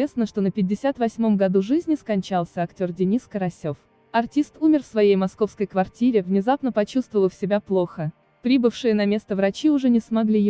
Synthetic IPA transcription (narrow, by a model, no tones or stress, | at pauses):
esnəʂt̪o̞nəpʲɪdʲːɪsʲat̪vɐsʲmo̞mɡɐd̪uʐɨzʲnʲɪskɐnʲt͡ɕalˠsʲəɐktʲo̞rdʲɪnʲiskəɾɐsʲo̞f | ɐrtʲist̪umʲɪrfsvɐjejmɐsko̞fskəjkvɐrtʲiɾʲɪvnʲɪzapnəpɐt͡ɕust̪vəvəlˠəfsʲɪbʲaplˠo̞xə | pɾʲibɨfʂɨjənɐmʲe̞st̪əvɾɐt͡ɕiʊʐɛnʲɪsmɐɡlʲij